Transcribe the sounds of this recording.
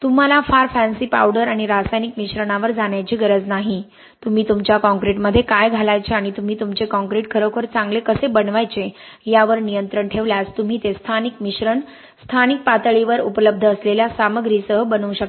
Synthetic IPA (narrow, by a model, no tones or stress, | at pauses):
t̪um̤alafaɾfænsiːpa̰wɽəɾaɽ̃iɾasajnikmiɕɾəɳaʋəɾd͡zaɳjat͡ɕiːɡəɾəd͡znaɦi | t̪um̤iːt̪umt͡ɕjakɔ̃ŋkɾeʈməd̪ʱːjekajɡʱalajt͡ɕeaɽ̃it̪um̤iːt̪umt͡sekɔ̃ŋkɾeʈ̚kʰəɾokʰəɾt͡sãŋɡlekəsebənʋajt͡sejaʋəɾnijənt̪ɾəɳʈʰeʋljast̪um̤iːt̪est̪ʰanikmiɕɾəɳ | st̪ʰanik̚pat̪əɭiʋəɾupələb̚d̪ʱəːsleljasaməɡɾisəɦbənuːɕək̚